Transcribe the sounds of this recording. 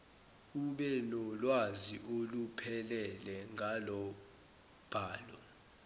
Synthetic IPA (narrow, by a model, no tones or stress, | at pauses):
uɓɛnɔlwaziʔolupʰɛlɛlɛŋʱalɔ | b̥ʱaːlɔ